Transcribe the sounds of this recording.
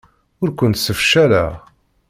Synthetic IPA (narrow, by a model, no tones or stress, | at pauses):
ʊɾkʷʊnt̪səfʃælæ̰